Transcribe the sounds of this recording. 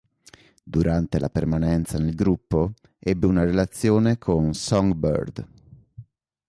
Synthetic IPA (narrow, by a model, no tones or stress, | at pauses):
d̪uɾant̪elʔa̰permanɛnt̪sanelɡɾupːo | ɛbːeunaɾelat̪sːjoːnekʰonsɔŋɡbɔ̰rd̪